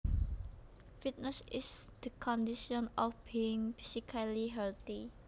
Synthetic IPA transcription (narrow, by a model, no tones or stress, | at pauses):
fit̪̚nəsɪsd̪̥əkʰɔ̃ndiʃɔ̃nɔfb̥iɪ̃ŋfisikʰaliɦɛlt̪i